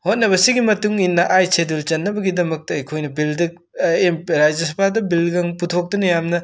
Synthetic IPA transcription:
hot̚nɐbɐsiɡimɐtuŋinːɐʔajsʰedult͡ʃɐnːɐbɐɡidɐmɐk̚tɐɐjkʰojnɐbildɐk | emɾad͡ʒjɐs̬ɐbʰadɐbilɡɐŋputʰok̚dunɐjamnɐ

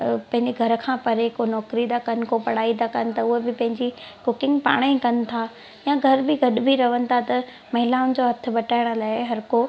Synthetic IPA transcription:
pɐ̃ɦɪ̃ɲd͡ʑeɡʱɐɾkʰãːpɐɾekonɔːkɾid̪akɐn̆kopɐɽaːid̪akɐnɪ̆t̪ɐʊɦebɪpɐ̃ɦɪ̃ɲd͡ʑikʊkɪ̃ŋɡpa̰ːɽ̃ekɐnɪ̆t̪ʰa | jãɡʱɐɾbɪɡʱɐɗʊbʱiɾɐʋənɪ̆t̪ʰat̪ɐ | mɐɦɪlaːʊnɪ̆d͡ʑoːɦɐt̪ʰɪ̆bɐʈaːɪɽ̃ʊ̆laːɪɦɐɾko

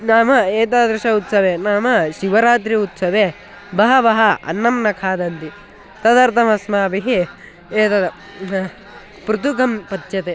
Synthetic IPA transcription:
naːmɐeːt̪aːd̪ɾɐʃɐut̪sɐʋeːnaːmɐʃiʋɐɾaːt̪̬ɾiut̪sɐʋeː | bɐɦɐʋɐɦɐɐ̰nːɐmnɐkʰaːd̪ɐnt̪i | t̪ɐd̪ɐɾt̪ʰɐmɐsmaːbiɦi | eːt̪ɐd̪ɐ | pɾut̪ukɐmpɐt̪ːt͡ʃɐt̪e

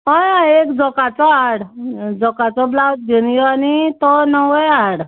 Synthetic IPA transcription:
ɦɔjaekd͡zɔkat͡sɔaɽd͡zɔkat͡sɔblawt̪̚ɡeñijɔanit̪ɔnəʋɔjaɽ

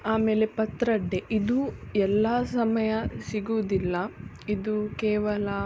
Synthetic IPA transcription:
aːme̞ːle̞pɐt̪ɾɐɖːeʔid̪uɛlːasɐmɐjɐsiɡuːd̪ilːɐ | id̪ukɛːʋɐlɐ

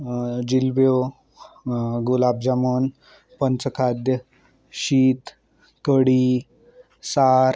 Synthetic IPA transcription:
d͡ʑilbjo | ɡulab̚d͡ʑamon | pənt͡səkʰad̪jə | ɕiːt̪ | kəɽi | saɾ

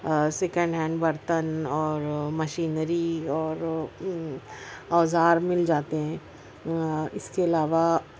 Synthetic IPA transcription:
sɛːkə̃ɳɖɦɛ̃ːɳɖbɐɾt̪ənɔːɾmɐʃiːnɾiɔːɾ | ɔːzaːɾmɪld͡ʒaːt̪eɦɛ̃ː | ɪskeɐlaːʋa

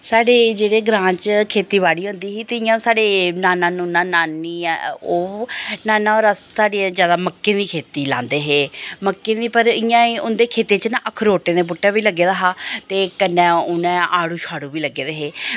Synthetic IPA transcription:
saːɖeːd͡ʒeːɽeːɡɾãːt͡ʃkʰeːt̪iːʋaːɽiːɦʊ̃nd̪iːsiːt̪eɪjãːsaːɽeːnaːnːãːnũːnãːnaːnːiːoːnaːnãːɔːɾəsaːɖiːãːzjaːd̪aːməkːẽːd̪iːkʰeːt̪iːlãːnd̪eːɦeːməkːẽːd̪iːpəɾɪjãːiʊnd̪eːkʰeːt̪ẽːt͡ʃnãːʔəkʰɾoːʈẽːd̪eːp̬ʊʈːãːʋiːləɡːeːd̪aːɦaːt̪eːkənːɛ̃ːʊnɛ̃ːaːɽuːʃʰaːɽũːʋiːləɡeːd̪eːɦeː

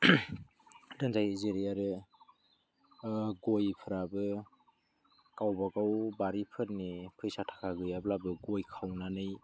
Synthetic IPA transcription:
dɯnzajzeɾijaɾɯ | ɡojpʰɯɾabɯ | kawbaɡawbaɾipʰɯt̚nipʰɯjsatʰḁkʰaɡɯjablabɯɡojkʰawnanɯj

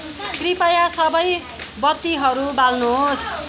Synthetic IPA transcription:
kripʌjasʌbʌj | bʌt̪ːiɦʌɾubalnuɦos

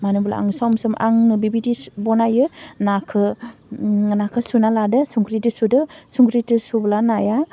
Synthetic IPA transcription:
manɯbla̰a̰ŋsɔwmsɔmʔa̰ŋnɯbibidibɔnajɯnakʰɯ | nakʰɯsunaladɯsuŋɡɾitɯsudɯsuŋɡɾitɯsublanaja

